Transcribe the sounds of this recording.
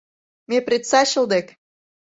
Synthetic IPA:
mʲeprʲet̪sɑɕə̆ld̪ek

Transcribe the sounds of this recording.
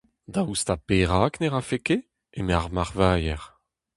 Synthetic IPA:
d̪aust̪apeːʁaːkneʁafeke | emeaʁmaʁvaːjɛʁ

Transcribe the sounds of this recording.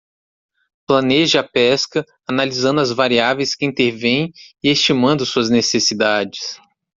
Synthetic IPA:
plɐ̃neʒɪapɛskɐ | analizɐ̃nd̪ʊɐzvaɾiavẽjskɪĩnt̪eɾvẽjẽɪest͡ʃimɐ̃nd̪ʊsuɐznesesid̪ad͡ʒɪs

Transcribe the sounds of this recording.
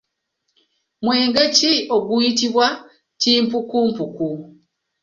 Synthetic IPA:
mweːŋɡeciʔo̞ɡujitiβwa | tiːmpukumpuku

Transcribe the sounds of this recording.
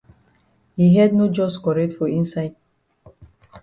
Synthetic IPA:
hiɦɛd̚nod͡ʒɔskɔɹɛtfɔĩnsaɪd̚

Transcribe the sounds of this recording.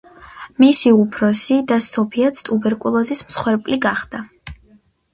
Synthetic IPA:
misiupʰɾɔsid̪asɔpʰiat̪sʰt̪ʼubɛɾkʼulˠɔzismsχwɛɾpʼliɡaχd̪̥a

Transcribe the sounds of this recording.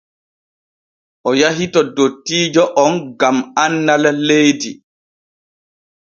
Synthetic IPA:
ʔɔjaɦitɔdotːiːd͡ʒɔʔɔnɡamanːalalejdi

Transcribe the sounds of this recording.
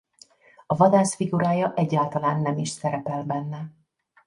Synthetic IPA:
ɒvɒd̪aːʃfiɡuɾaːjɒʔɛɟːaːlt̪ɒlaːnːɛmiʃsɛɾɛpɛlbɛnːɛ

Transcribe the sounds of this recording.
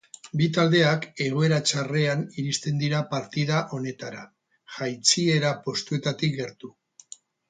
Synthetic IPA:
bit̪ald̪e̞ake̞ɣ̞o̞e̞ɾat͡ʃare̞aniɾist̪e̞nd̪iɾapaɾt̪ið̞aʔo̞ne̞t̪aɾa | ʝajt͡sie̞ɾapo̞st̪ue̞t̪at̪ik̚ɡe̞ɾt̪u

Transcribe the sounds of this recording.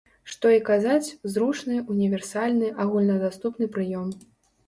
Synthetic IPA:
ʂt̪ɔikazat͡sʲwzɾut͡ʂnɨunʲivʲɛrsalʲnɨʔaɣulʲnɐd̪ast̪upnɨpɾɨjɔm

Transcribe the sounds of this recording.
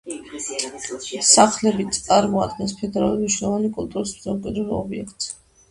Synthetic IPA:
saχlɛbit̪sʼaɾmɔad̪̚ɡɛnspʰɛd̪ɛɾaluniʃɛɔvanikʼult̪ʼuɾismzɔmkʼɛd̪ɾuɾɔ̰biɛkʰt̪ʼs

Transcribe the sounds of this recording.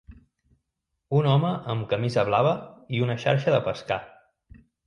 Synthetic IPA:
unɔməʔəmkəmizəβlaβəiunəʃa̰ɾʃəðəpəska

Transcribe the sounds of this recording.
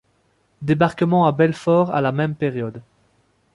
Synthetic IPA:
d̪ebaʁkəmɑ̃abɛlfɔːʁa̰lamɛmpɛʁjɔd̪

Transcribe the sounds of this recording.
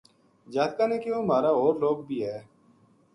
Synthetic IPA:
d͡ʒaːt̪kaːneːkeoːmaːɾaːɦoːɾloːɡbʱiːɦɛː

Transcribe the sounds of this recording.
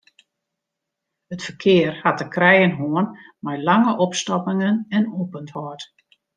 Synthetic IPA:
ətfərkʰɪːərhatəkrɛjənɦoənmɛjlaŋəʔɔpstɔpɪŋənɛnoːpənthɔːt

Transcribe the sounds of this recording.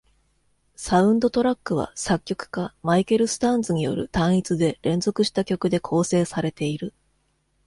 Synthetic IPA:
saɯ̟̃nd̪o̞t̪o̞ɾakːɯ̟β̞a̰sakʲːo̞kɯ̟̥kamaike̞ɾɯ̟sɨ̥t̪ãnd͡zɨɲ̟ijo̞̰ɾɯ̟̰t̪ãɰ̃it͡sɨd̪e̞ɾẽ̞nzo̞kɯ̟ɕi̥t̪akʲo̞kɯ̟d̪e̞kʰo̞ːse̞ːsaɾe̞t̪e̞iɾɯ̟

